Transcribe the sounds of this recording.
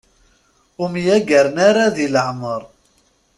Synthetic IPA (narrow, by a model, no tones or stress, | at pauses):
ʊmjæɡæɾnaɾaðiləʕməɾˤ